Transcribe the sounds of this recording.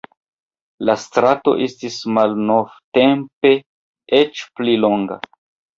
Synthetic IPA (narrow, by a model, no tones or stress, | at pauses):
lastɾato̞̰ʔestismalno̞vte̞mpe̞ | et͡ʃplilo̞ŋɡa̰